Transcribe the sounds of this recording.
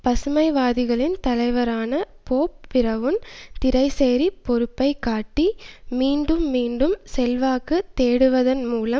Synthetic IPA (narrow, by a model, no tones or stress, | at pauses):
pɐsɯmɐɪʋaːðɪɣɐɭɪnt̪ɐlɐɪʋɐɾaːnɐ | poːpːɪɾɐʋɯmt̪ɪɾɐɪseːɾipɔɾɯpːɐɪkːaːʈːimiːɳɖɯmːiːɳɖɯmsɛlʋaːkɯt̪ːeːɽɯʋɐðɐnmuːlɐm